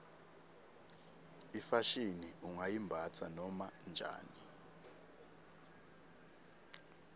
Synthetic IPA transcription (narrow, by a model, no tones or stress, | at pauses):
ifaʃiniuŋajimbʱat͡sʰanɔmand͡ʒʱa̰ːni